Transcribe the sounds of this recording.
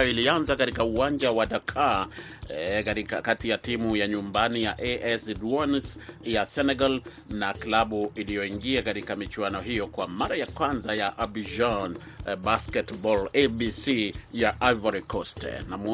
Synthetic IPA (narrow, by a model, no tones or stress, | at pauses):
ilianzakatikauwand͡ʒawaɗakʰa | kɾikakatijatimujaɲumbanijaʔeʔɛsdwansjasɛnɛɡal | naklaɓuilijɔiŋɡiakaɾikamit͡ʃuanɔɦijɔkwamaɾajakwanzajaʔabid͡ʒan | baskɛtbɔlebisijaʔavaɾikɔstnam